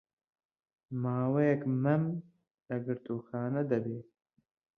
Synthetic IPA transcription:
maːwɐjɐkmɐm | lɐɡəɾt̪ʼuːxaːnɐd̪ɐbeː

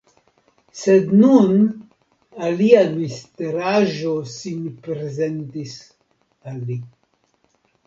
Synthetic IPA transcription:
sed̪nun | aliamist̪eɾaʒosinpɾezent̪is | alːi

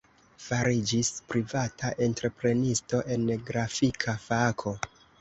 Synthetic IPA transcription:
faɾid͡ʒispɾivataʔe̞ntɾe̞pɾe̞nisto̞ʔe̞nɡɾafikʰafakʰo̞

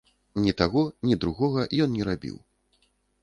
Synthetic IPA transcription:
nʲit̪aɣɔnʲid̪ɾuɣɔɣɐʔjɔnnʲɛɾabʲḭw

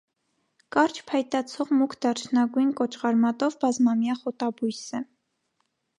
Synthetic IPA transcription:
kɑɾt͡ʃʰpʰɑjt̪ɑt͡sʰɔʁmukʰd̪ɑɾt͡ʃʰnɑɡujnkɔt͡ʃʁɑɾmɑt̪ɔvbɑzmɑmjɑχɔt̪ɑbujsɛ

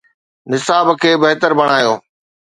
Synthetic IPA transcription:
nɪsaːbkʰeːbɐɦt̪əɾbɐɽ̃aːjoː

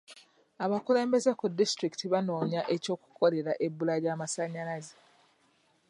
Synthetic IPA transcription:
aβakule̞ːmbe̞ze̞kudːistɾiki̥tiβano̞ːɲaʔe̞co̞ːku̥ko̞le̞ɾaʔe̞bːulaɾjaːmasaɲalazi

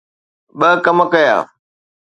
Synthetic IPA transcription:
ɓəkɐmkɐja̰ː

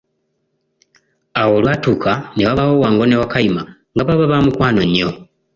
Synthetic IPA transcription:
awo̞lwatukanewaβaho̞waːŋɡo̞newakaima | ŋɡaβaβaβamukwaːnoɲːo̞

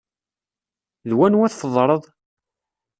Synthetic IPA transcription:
ðwænwæθfəðˤɾˤəðˤ

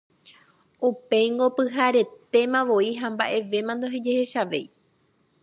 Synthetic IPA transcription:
upe̞jŋɡo̞pɨɦaɾe̞t̪e̞mãʋo̞iɦamba̰ʔe̞ʋe̞mãnd̪oɦed͡ʒe̞he̞ʃaʋe̞̰j

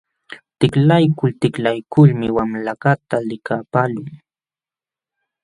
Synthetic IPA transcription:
t̪ɪklajkʊlt̪ɪklajkʊlmɪwamlakat̪alɪkapaːlʊŋ

